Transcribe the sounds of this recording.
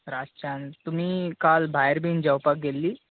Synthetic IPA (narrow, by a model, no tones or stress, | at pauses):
ɾast͡ɕant̪um̤iːkalbʱajɾbʱind͡ʑəwpak̚ɡelːiː